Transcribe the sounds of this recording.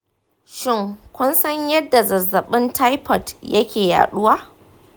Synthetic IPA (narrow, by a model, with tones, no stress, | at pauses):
ʃɪ˦˨ŋkʷʊ˦nsɐ˦ɲjɐ˦dːa˨zɐ˨zːɐ˨ɓɪ˦ntʰa˦jpɔ˨tjɐ˦kʲeː˨ja̰ː˨ɗʊ˦waː˦